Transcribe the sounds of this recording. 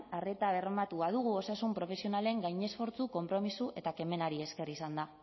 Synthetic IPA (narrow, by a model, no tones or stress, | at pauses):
are̞t̪aβe̞rmat̪uað̞uɣ̞uo̞sasumpɾo̞fe̞sio̞nale̞ŋɡajɲe̞sfo̞ɾt͡suko̞mpɾo̞misue̞t̪ake̞me̞naɾie̞ske̞risand̪a